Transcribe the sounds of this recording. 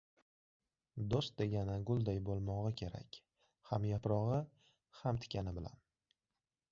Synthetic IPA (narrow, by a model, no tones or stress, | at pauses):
d̪ost̪̚d̪eɡʲanɪɡʊlˠd̪ajbolˠmɒʁɨkʲʰe̞ɾa̰kʲ | hamjapɾɒʁɨ | hamt̪ʰɪ̥kʲanɪbɪla̰n